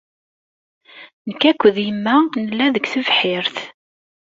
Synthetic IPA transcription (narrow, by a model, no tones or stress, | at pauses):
nəkːækʷːəðjəmːænəlːæðəɡθəvħɪɾθ